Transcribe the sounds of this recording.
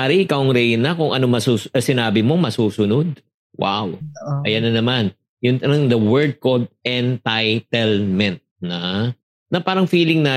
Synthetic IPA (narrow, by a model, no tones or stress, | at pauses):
aɾɪʔɪkawɐŋɾɛjnɐkʊŋʔɐnomɐsuːsɐsɪnaːbɪmo̞mɐsuːsʊnod̪̚ | wa̰wʔɐjɐnɐnɐman | jʊnɐnɐŋd̪ɐwɛɹd̪̚kold̪̚ɛnt̪ajt̪ɛlmɛnt̪̚nɐ | nɐpaːɾɐŋfiːlɪŋnaː